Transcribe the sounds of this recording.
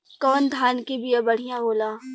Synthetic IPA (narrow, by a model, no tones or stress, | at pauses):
kɔːnd̪ʱaːnkibiɐbɐɽ̤ijãboːlaː